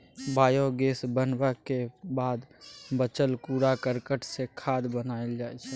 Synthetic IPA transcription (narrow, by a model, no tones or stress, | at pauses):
baːjoɡesbənbəkebad̪bət͡ʃəlkuɾakəɾkəʈsekʰad̪bənaeld͡ʒajt͡ʃʰɛ